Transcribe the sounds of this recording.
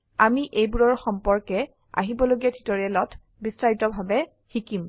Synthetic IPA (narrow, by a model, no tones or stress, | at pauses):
amiʔejbuɹɔɹxɔmpɔɹkɛ | a̰ɦibɔloɡiatʰi̥tɔɹiɛlɔtʰ | bisɹaɹitɔbʱabɛ | xikim